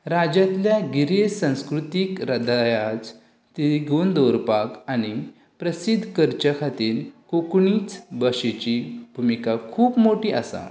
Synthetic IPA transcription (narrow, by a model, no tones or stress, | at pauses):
ɾad͡ʑat̪ljaɡiɾesə̃w̃skɾut̪ikɾəd̪ajat͡s | t̪iɾɡond̪oɾpakaɽ̃i | pɾəsid̪ʱːkəɾt͡ɕəkʰat̪iːɾkokɳiːt͡sbəɕet͡ɕibʱumikakʰuːpmoʈiːasa̰